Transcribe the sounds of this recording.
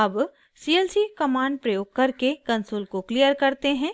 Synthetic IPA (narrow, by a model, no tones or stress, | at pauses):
ɐb | siːeːlsikɐmãːɳɖ̚pɾɐjoːɡ̚kɐɾkekɐ̃nsoːlkokliːjəɾkɐɾt̪eɦɛ̃ː